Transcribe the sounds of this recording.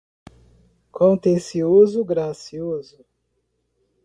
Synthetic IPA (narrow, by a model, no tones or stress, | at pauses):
kʰõt̪ẽsiozʊɡɾasiozʊ